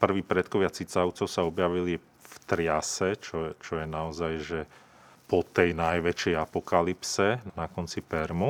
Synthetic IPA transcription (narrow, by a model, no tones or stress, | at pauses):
pr̩ʋiːpɾɛt̪kɔʋɪat͡sit͡saʊt͡sɔʊsaɔbjaʋili | ft̪ɾɪasɛt͡ʃɔt͡ʃɔjɛnaɔzajʒɛ | pɔt̪ɛjnajʋɛt͡ʃɛjapɔkalipsɛnakɔnt͡sipɛɾmu